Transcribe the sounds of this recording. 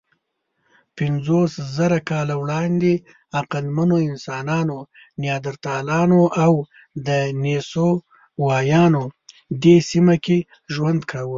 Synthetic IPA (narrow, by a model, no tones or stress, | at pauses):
pɪnzoszaɾakɑlawɽɑnd̪e | aqalmanoɪnsɑːnɑno | njɑːd̪aɾt̪ɑlɑnoʔaw | d̪əneso | wɑjɑno | d̪esimake | ʒwand̪kʰawə